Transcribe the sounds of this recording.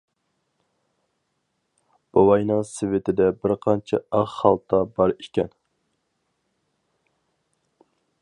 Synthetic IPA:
b̥ɑwɑjnɨŋsɪvɪt̪ʰɪd̪ɛbɪɾqʰɑnt͡ʃʰɛ̰ɑʁhɑlˠt̪ʰɑbɑɾi̥kʲɛ̰n

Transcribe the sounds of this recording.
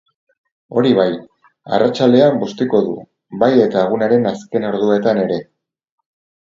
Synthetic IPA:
o̞ɾiβaj | a̰rat͡ʃald̪e̞ambost̪iko̞ðu | baje̞t̪aːɣ̞unaɾe̞naske̞no̞ɾðue̞t̪ane̞ɾe̞

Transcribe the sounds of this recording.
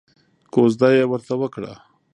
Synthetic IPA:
kozd̪ɑjewəɾt̪awəkɽa̰

